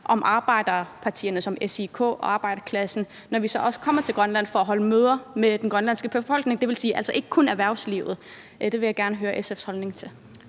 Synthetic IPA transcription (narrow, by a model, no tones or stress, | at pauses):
ʔɒ̽mʔɑ̈ːb̥ɑ̈ɪ̰d̥ɐpʰɑ̈t͡sʰḭːɐnəsɒ̽mesikʰo̰̽ːɒ̽ɑ̈ːb̥ɑ̈ɪdɐkʰlæsn̩ | nɒʋisɒ̽ʔɒ̽sə̥kʰɒ̽m̰ɐt͡sʰe̝lɡ̥ʁɶnlæn̰fɒæɦɒ̽ləmøːð̞ˠɐmed̥enɡʁɶnlænsɡ̥əb̥e̝fɒ̽l̰ɡ̥ne̝ŋd̥e̝ʋe̝lsiːæl̰sɒ̽ʔe̝ɡ̥əkʰonæʋæɐ̰ʊslḭʊð̞̩ˠ | d̥e̝ʋe̝jäɡ̥æɐnəɦøːɐʔesefshɒlne̝ŋt͡sʰe̝l